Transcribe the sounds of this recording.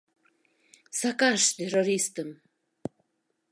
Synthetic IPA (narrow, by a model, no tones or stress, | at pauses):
sakaʃt̪eroɾist̪əm